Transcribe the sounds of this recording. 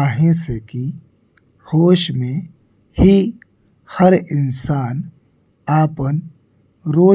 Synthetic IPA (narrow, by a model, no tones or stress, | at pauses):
ɦẽseki | hoːʃmẽ | hi | həɾɪnsaːn | aːpən | ɾoː